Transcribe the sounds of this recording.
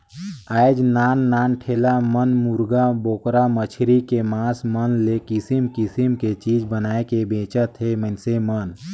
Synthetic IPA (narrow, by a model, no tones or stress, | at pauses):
aːjd͡ʒnaːnːaːnʈʰeːlamənmuɾɡaboːkɾamət͡ʃʰɾikemaːsmənlekɪsimkɪsimket͡ʃiːd͡ʒbənaːekebẽːt͡ʃət̪ɦemənsemən